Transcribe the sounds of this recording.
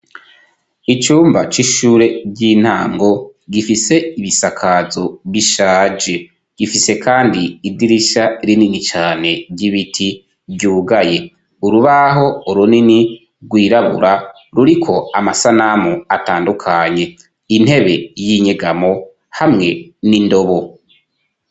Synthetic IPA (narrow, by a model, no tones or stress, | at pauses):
it͡ʃuːmbat͡ʃiʃuːɾe̞bɟiːn̥haːŋɡo̞ɡifise̞iβisakʰazo̞βiʃaːd͡ʒe̞ | ɡ̥ifise̞kaːndiːdiɾiʃaɾininit͡ʃaːne̞bɟiβitʰi | bɟuːɡaje̞ | uɾuβaɦo̞uɾunini | ɡwiːɾaβṵɾa | ɾuɾikʰo̞amasanamuataːndukʰaɲe̞ | in̥he̞βe̞jiɲeɡamo̞ | hamŋe̞nindo̞βo̞